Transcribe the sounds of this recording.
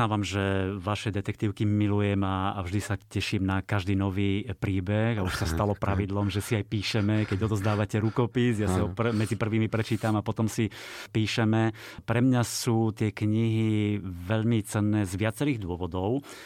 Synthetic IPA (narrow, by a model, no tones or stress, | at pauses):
aːʋamʒɛʋaʃɛd̪ɛt̪ɛk̚t̪iːʊkimilujɛmaːvʒd̪isacɛʃiːmnakaʒd̪iːnɔʋiːpɾiːbɛɣauʃsast̪alɔpɾʔaʋid̪lɔmʒɛsiajpiːʃɛmɛkɛɟɔd̪ɔzd̪aːʋacɛɾukɔpisjasiɔpmɛd͡zipr̩ʋiːmipɾɛt͡ʃiːt̪amapɔt̪ɔmsipiːʃɛmɛpɾɛmɲasuːt̪ɪɛkɲiɦiʋɛʎmit͡sɛnːɛːzʋɪat͡sɛɾiːɣd̪ʊɔʋɔd̪ɔʊ